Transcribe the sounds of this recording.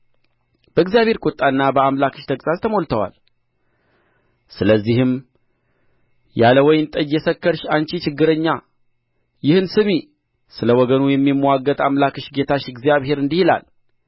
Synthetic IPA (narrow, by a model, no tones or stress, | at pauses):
b̥əɨɡzijaβhe̞ɾkʼot̪ʼːanːabəamlakɨʃt̪ʰəkʼsʼazt̪ʰəmo̞lt̪ʰəwa̰l | sɨləzːihɨm | jaləwɔjnt̪ʼəd͡ʒjɛsəkːəɾʃant͡ʃit͡ʃɪɡːɨɾəɲːa | jɪhɨnsɨmi | sɨləwɔɡənujɛmːimːwaɡːət̪ʼamlakɨʃɡe̞t̪ʰaʃɪɡzjaβhe̞ɾɨnd̪ihila̰l